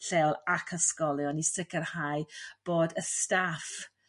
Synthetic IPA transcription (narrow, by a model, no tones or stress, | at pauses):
ɬɛwlˠakʰəskɔlˠjɔnisɪkʰərhajb̥oːdəstaf